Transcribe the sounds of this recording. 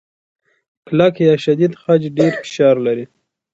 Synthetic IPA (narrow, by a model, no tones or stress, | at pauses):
klakjɑʃad̪id̪xad͡ʒɖeɾfɪ̥ʃɑɾlaɾi